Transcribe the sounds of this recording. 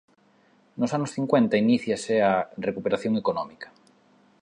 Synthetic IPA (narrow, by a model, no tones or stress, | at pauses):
nʊsanʊsθiŋkwent̪ɐiniθjasearekupeɾaθjoŋekonɔmikɐ̥